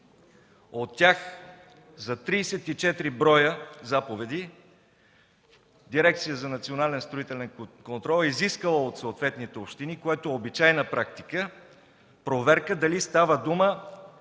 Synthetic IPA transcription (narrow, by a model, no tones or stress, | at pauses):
ot̪ːʲjax | zɐt̪ɾiːsɛt̪it͡ʃɛt̪ɾibɾɔjəzapovɛd̪i | d̪iɾɛk̚t̪sijəzɐnɐt̪sionalɛnst̪ɾoit̪ɛlɛnkont̪ɾɔlˠiziskəlˠəot̪soːt̪vɛt̪nit̪ɛopʃt̪inikoɛt̪oɛobit͡ʃajnəpɾakt̪i̥kə | pɾovɛɾkəd̪ɐlist̪avəd̪umə